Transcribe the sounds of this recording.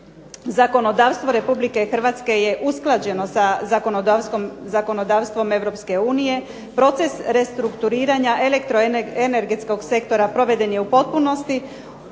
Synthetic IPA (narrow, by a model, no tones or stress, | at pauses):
zako̞no̞d̪aːʋst̪ʋo̞ɾe̞publike̞xr̩ʋat̪ske̞je̞ʔusklˠad͡ʑe̞no̞sazako̞nod̪askomzako̞no̞d̪aːʋst̪ʋo̞me̞ʋɾo̞pske̞uːnije̞ | pɾo̞t̪se̞sɾe̞st̪ɾukt̪uɾiːɾaɲaʔe̞lekt̪ɾoene̞ɾɡet̪sko̞ɡse̞kt̪o̞ɾapɾo̞ʋe̞d̪e̞nje̞upo̞t̪̚puno̞st̪i